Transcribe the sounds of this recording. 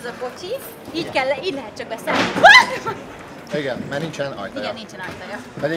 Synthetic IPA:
zɒko̞t͡ʃi | iːɟkɛlːiːɟlɛɦɛt̪̚t͡ʃɒk̚bɛsɛn | iɡɛnmɛnint͡ʃɛnɒ̰jt̪ijɡɛnːint͡ʃɛnɒjt̪ɒjɒɛ

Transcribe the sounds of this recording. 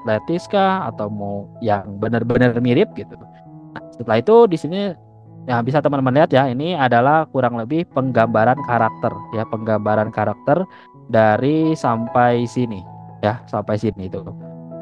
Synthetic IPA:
at̪let̪iskaa̰t̪awmujaŋbənərbənərmiɾɪp̚ɡit̪u | nasət̪əlait̪udisini | jabis̬at̪əmənt̪əmənliɦat̪jainiadalahkuɾaŋləbɪhpəŋɡambaɾankaɾak̚t̪ərjapəŋɡambaɾankaɾak̚t̪ər | daɾisampajsinijasampajsinit̪u

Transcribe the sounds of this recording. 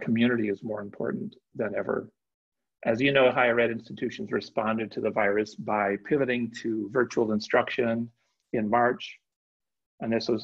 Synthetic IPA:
kʰmjʉnɨɾiɨzmɔɹɨ̃mpʰɔ̰ɹʔn̩ | ðɨ̃nɛvə̰˞ | ʔɨzjɨnoʊɦaɪəɹɛɾɪ̃nstɨtʰʉʃn̩zɹɨspɑ̃ndɨd̚tʰɨðəvaɪɹɨsb̥aɪpʰɪvɨɾɪ̃ŋtʰɨvɜ˞t͡ʃul̩ˠə̃nstɹ̥ʌkʃɨ̃n | ɨ̃nmɑɹt͡ʃ | ɨ̃nðɪswʌz

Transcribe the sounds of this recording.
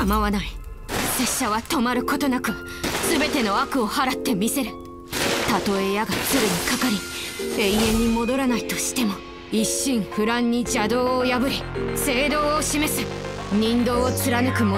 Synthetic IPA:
kamaβanai | se̞ɕːaβ̞at̪o̞maɾɯ̟ko̞t̪o̞nakɯ̟a | sɨbe̞t̪e̞no̞akɯ̟o̞haɾat̪ːe̞mʲise̞ɾɯ̟ | t̪at̪o̞ejaɡat͡sɨɾɯɲ̟ikakaɾʲie̞ie̞ɲ̟imo̞d̪o̞ɾanait̪o̞ɕi̥t̪e̞mo̞ | iɕːĩɰ̃ɸɯ̟ɾãɲ̟ːid͡ʑad̪o̞ːjabɯ̟ɾʲise̞ːd̪o̞ːoɕime̞sɨ̥ | ɲ̟ĩnd̪o̞ːt͡sɨɾanɯ̟kɯ̟mo

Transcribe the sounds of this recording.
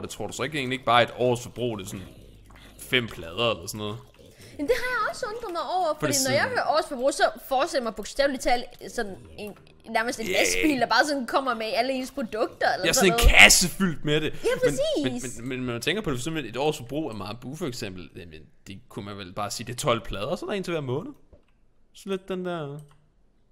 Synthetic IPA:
d̥et͡sʰʁo̝ɐ̰̥usɒeɡ̥iḛŋnlie̝ɡ̥̚b̥ɑ̈ːe̝d̥ɒ̰ːsfɒb̥ʁṵːd̥esɔ̽n | fem̰pʰlɛð̞ˠɐelɐsɔ̽nːɔ̽ːðˠ | memd̥e̝ɦɑ̈jäɒ̽sɔ̽nd̥ʁɐð̩ˠmɑaɪɒʊ̰ɐfɒd̥i̥̰ːnɒjɑ̈ɪhøɐʔɒ̰ːsfɒ̽b̥ʁṵːsɒ̽fɒ̥ːsʰeljɐmɑɪb̥o̥sd̥ɛʊlit͡sʰɛ̰lsɒ̽nne̝n | næɐməsd̥e̝næsb̥ḭːld̥ɑ̈b̥ɑ̈ːsɒ̽nkʰɒ̽m̰ɐmeæləe̝̰ːnspʰʁo̝d̥ɔ̽ɡ̥̚d̥ɐelɐeæɐsɔnekʰæsəfyl̰d̥meɾ̥e̝jæʁmeniːmesmenmenmænmænt͡sʰeŋɡ̥ɐpʰɒd̥efɒsemb̥ee̝d̥ɒ̰ːsfɒ̽b̥ʁṵːæɐmɑ̈ːð̩ˠb̥ufɒ̽eɡ̥sem̰b̥l̩mend̥e̝kʰumænʋelb̥ɑ̈ːsiːd̥e̝t͡sʰɒ̽l̰pʰlɛːð̞ˠɐsɒd̥ɑe̝ːnt͡sʰe̝ʋæɐmɔ̽ːnð̩ˠ | sɒled̥̚ːend̥æɐ̰

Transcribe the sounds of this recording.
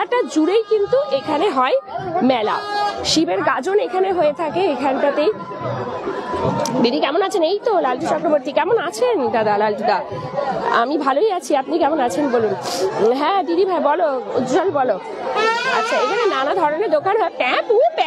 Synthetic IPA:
aʈad͡ʑuɽejkint̪uʔekʰaneɦɔemɛla̰ʃibeɾɡad͡ʑonekʰaneɦoet̪ʰakeekʰanʈat̪ej | b̪id̪ikɛmonat͡ɕʰenejt̪olalʈit͡ɕɔkɾoboɾt̪ikɛmonat͡ɕʰend̪ad̪alalʈid̪a | a̰mibʱalojat͡ɕʰiapnikɛmonat͡ɕʰenbolunɦɛ̃d̪id̪ibʱaebɔloud͡ʑalbɔlo | a̰tːɕʰaekʰanenanad̪ʱɔɾoneɾd̪okanɦɔepɛpupɛ

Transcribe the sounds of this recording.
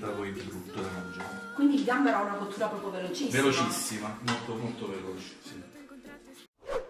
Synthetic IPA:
t̪apɔint̪ɾut̪ːoɾaɾand͡ʒa̰nkwind̪ilid̪ambeɾaunabot̪ːuːɾapɾɔːpɾovelot͡ʃivelot͡ʃisːimamolt̪omolt̪ovelot͡ʃsːima

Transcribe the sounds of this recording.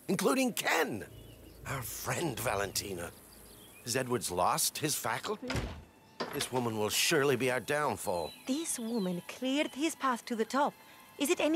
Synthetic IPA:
ɨ̃nkʰl̥uɾɪ̃ŋkʰɛ̃n | aʊə˞fɹɛ̃ndvæ̰lˠə̃ntʰĩnə̰ | ɨzɛd̚wə˞dzlɔst̚hɨz̥fækl̩ˠ | ðɪswʊmə̃nwɪlˠʃʊɹlˠibiaʊə˞dãʊ̃ɱfɔ̰lˠðɪswʊmɨ̃nkʰl̥ɪɹd̪̥̚ɪz̥pʰæθtʰɨðɨtʰɔp̚ | ɨzɨɾɛn

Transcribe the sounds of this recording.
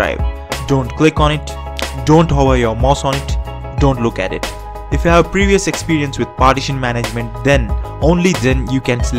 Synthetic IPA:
a̰ɪʋ | ɖõːɳʈklɪkɔ̃ːnɪʈ | ɖõːɳʈɦɔʋəɾjɔmaʊsɔ̃ːnɪʈ | ɖõːɳʈlʊkæ̰ʈɪ̰ʈ | ɪfjuhæʋpɾiːʋiəsekspiːɾiə̃nsʋɪd̪̚paːɾʈɪʃə̃nmæned͡ʒmɛ̃ɳʈ̚d̪ɛ̃nõːnlid̪ɛ̃njuːkɛ̃ns

